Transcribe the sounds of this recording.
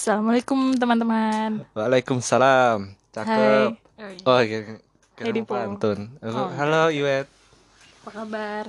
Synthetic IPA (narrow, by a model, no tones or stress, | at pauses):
salamalakumt̪̬əmant̪əmanwaːlajkʊmsalamt͡ʃahaət̚ | ɔk | hkaajdipant̪ʊnauɦaloiwɛt̪̚ | pakabar